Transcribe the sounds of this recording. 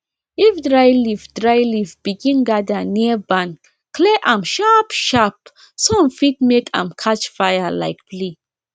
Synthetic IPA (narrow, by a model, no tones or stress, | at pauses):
ifdɹajlifdɹaɪlifb̥iɡĩnɡadəniəbãn | kleʔãmʃapʃap̚ | soãmfit̚mekʰã̰mkʰat͡ʃfajala̰ɪk̚pli